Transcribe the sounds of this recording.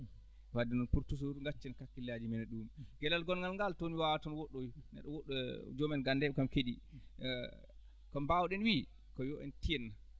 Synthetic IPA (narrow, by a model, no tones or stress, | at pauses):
wadɛnɔnpuɾtus̬uɾŋɡat͡ʃːɛnkakːilːad͡ʒimɛnɛɗumɡɛlalɡɔnŋɡalŋɡaltoniwawatɔnwɔɗːojnɛ̰ɗɔwɔɗːɔd͡ʒɔmɛnɡandɛɓɛkamkeɗi | kɔmbawɗɛnwi | kɔjɔʔɛntijɛnːa